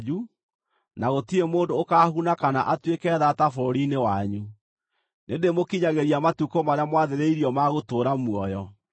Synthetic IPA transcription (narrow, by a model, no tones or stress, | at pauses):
u | naɣotiɾemoːndoːkaːhunakana̰ʔatwekɛːðatafɔɾinewaɲu | nendemokiɲaɣeɾiamatukomaɾeamwaðeɾeiɾiɔmaɣotoːɾamwɔjɔ